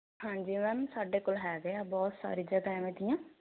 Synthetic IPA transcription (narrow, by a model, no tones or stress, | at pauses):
hãːɲd͡ʒiːʋɛ̃ːmsaːɖeːkoːlɦɛːɡeaːbɔːt̪sa̰ːɾiːd͡ʒəɡ̪aɛmẽːt̪ɪjãː